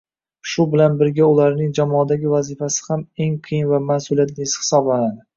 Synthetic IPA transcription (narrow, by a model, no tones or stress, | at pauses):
ʃʊbɪlanbɪɾɡʲaʊlaɾnɪŋd͡ʒamɒd̪aɡʲɪvazifasɪ̥hame̞ŋqʰɨjɪnvamasʊlijat̪nɪɪshɪ̥sɒblanad̪ɪ